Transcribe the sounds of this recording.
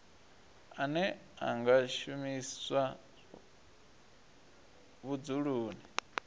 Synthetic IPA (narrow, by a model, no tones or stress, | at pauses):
anɛa̰ŋɡaʃumiswa | βud͡zuɺuːni